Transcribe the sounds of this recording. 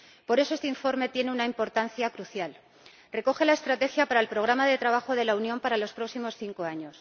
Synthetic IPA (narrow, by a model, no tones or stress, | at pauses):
po̞ɾe̞soe̞st̪eiɱfo̞ɾme̞t̪je̞ne̞unaimpo̞ɾt̪anθjakɾuθjal | re̞ko̞xe̞laest̪ɾat̪e̞xjapaɾae̞lpɾo̞ɣ̞ɾamaðe̞t̪ɾaβ̞axo̞ðe̞launjõ̞mpaɾalo̞spɾo̞ksimo̞sθiŋko̞aɲo̞s